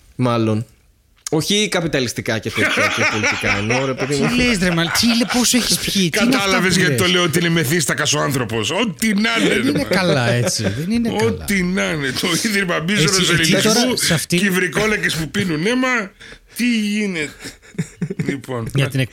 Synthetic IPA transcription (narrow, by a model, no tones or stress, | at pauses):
mɐlo̞n | o̞çikɐpit̪ɐlist̪ikɐcet̪espoliikɐḛnoɾe̞peðiimlezðɾemɐlt̪ileposeçi̥spçikɐt̪ɐlɐvezʝɐt̪iit̪oleiot̪iineme̞θist̪ɐkɐsoɐnθɾo̞po̞sot̪inɐnenekɐlɐet͡siðenineot̪inɐnet̪o̞iðɾimɐmizoɾos̬eliist̪oɾuɐft̪iivɾiko̞lɐkespupinunemɐt̪iʝinet̪e̥ | lipo̞nʝɐt̪inek̚